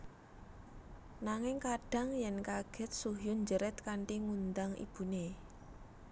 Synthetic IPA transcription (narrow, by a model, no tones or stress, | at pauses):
naŋɪŋkaɖ̥a̤ŋjɛnkaɡ̥ɛ̤t̪̚suɦjʊnɲd͡ʒəɾɛt̪̚kaɳʈiŋund̪aŋʔḭb̥ṳne